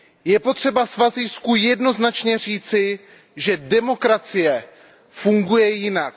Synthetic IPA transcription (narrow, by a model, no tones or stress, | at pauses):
jɛpo̞t̪r̝̥ɛbasvaziskujɛdno̞znat͡ʃɲɛr̝iːt͡sɪ | ʒɛdɛmo̞kɾat͡sɪjɛ | fuŋɡujɛjɪnak̚